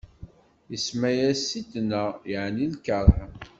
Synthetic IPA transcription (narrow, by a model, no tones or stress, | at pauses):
jəsmæjæsit̪næjəʕnilkəɾˤħ